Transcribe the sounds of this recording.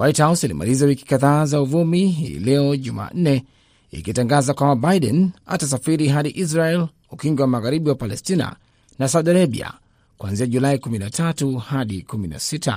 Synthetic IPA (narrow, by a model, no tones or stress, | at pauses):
wʔajthawsalḭma̰lizawiki̥kaðaːzauvumiɦḭːlɛɔʄuma̰ːn̩nɛ | ḭkitaŋɡazakwamabaiɗɛ̰na̰tas̬afiɾiɦaɗiʔis̬ɾaɛl | ukiŋɡwɛwamaɣaɾiɓiwapalɛstina̰ | nas̬auɗiaɾaɓḭa̰ | kuwanziaʄulaikuminatʰatuhaɗikumina̰sita̰